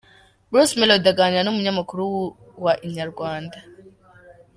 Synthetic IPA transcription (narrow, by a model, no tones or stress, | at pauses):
bɾusmɛlɔdaɡaɲanomuɲamakuɾuwu | waʔiɲaɾuɡwaːnda